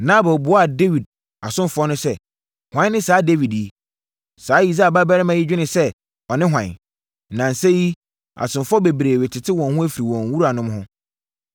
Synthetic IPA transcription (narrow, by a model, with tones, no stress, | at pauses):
nã˦bɔ˨bʊ˨˦a˦˨de˦wi˨d̚ | a˨sʊ̃˦mfɔ˦nʊ̃˦sɛ˦ | hwã˦nː˦ɪ̃˦saː˨˦de˦wi˨dje˨ | saː˨˦ji˨s̬a˦˨ba˦bɛ˦ɾɪ˦mã˨ji˦d͡ʑᶣɪ˦nɪ̃˨sɛ˦ | ɔ˨nɪ̃˦ɦʷwã̰˨n | nã˨n̩˨se˦ji˦ | a̰˨sʊ̃˨nfɔ˦be˨bɾeː˨we˨tʰɪ˨tʰɪ˦wɔ̃˨nhʊ̃˦æ˦fi˨ɾi˨wɔ̃˨ŋ˨wu˦ɾa˨nʊ̃˦mhʊ̃˦